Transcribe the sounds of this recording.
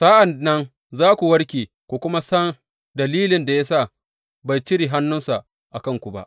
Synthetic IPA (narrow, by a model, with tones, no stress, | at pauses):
sa˦ʔa˨nːɐ˦n | zaː˦kʷu˨wɐ˦ɽkʲeː˨ | kʷoː˨kʷʊ˦ma˦sɐ˦n | dɐ˨liː˦lɪ˨nda˨ja˦sa˦˨ | ba˨jt͡ʃɪ˦ɽiː˨ɦa˦nːʊ˦nsa˨ | ʔa˨kɐ˦ŋkʷu˨ba̰˦ʔ